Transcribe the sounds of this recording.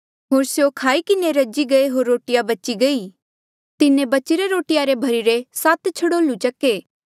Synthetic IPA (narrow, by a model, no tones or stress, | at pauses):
ɦoːɾsjokʰaːikɪneɾɐd͡ʒiɡɐeɦoːɾːoːʈɪjabɐt͡ʃiɡɐi | t̪ɪnẽbɐt͡ʃɪɾeɾoːʈɪjaɾebʱɐɾiɾesaːt̪t͡ʃʰɐɽoːlut͡ʃɐkeː